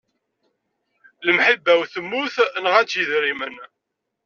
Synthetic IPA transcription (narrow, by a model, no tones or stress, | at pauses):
ləmħibːæwθəmːuθnəʁæt͡sːjəðɾimən